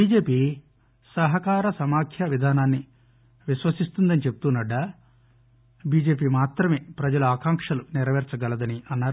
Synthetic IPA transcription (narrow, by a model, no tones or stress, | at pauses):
biːd͡ʒe̞ːpiː | sɐɦɐkaːɾɐsɐmaːkʰjɐʋid̪ʱaːnaːnːi | ʋiʃʋɐsist̪und̪ɐnit͡ʃeput̪unːɐɖːɐ | biːd͡ʒe̞ːpiːmaːt̪ɾɐme̞ːpɾɐd͡ʒɐluaːkaːŋkʂɐlunɪɾɐʋɛɾt͡ʃɐɡɐlɐd̪ɐniɐnːaːɾu